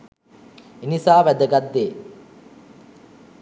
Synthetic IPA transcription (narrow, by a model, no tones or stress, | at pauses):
inisaːʋæd̪əɡɐd̪ːeː